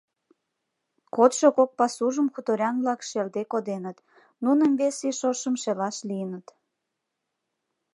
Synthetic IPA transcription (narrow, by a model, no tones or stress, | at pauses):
kot̪ʃokok̚pɑsuʒəmxut̪oɾʲɑnβlɑkʃeld̪ekod̪enət̪ | nunəmβesiʃoʃəmʃelɑʃlijənət̪